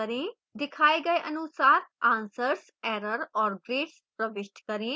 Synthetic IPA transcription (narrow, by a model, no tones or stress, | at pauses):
əɾẽː | d̪ɪkʰaːeɡɐeʔɐnʊsaːɾãːnsəɾs | ɛːɾəɾɔːɾɡɾeːʈspɾəʋɪʃʈkəɾẽː